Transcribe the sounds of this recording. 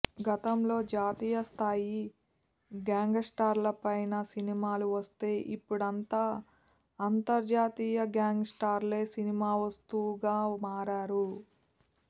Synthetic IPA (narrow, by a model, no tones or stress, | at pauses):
ɡɐt̪ɐmlo̞ːd͡ʒaːt̪iːjɐst̪ʰaːji | ɡaːŋɡsʈaːɾlɐpɐjnɐsinimaːluʋɐst̪e̞ːʔipːuɽɐnt̪aː | ɐnt̪ɐɾd͡ʒaːt̪iːjɐɡaːŋɡsʈaːɾle̞ːsinimaːʋɐst̪uɡaːmaːɾaːɾu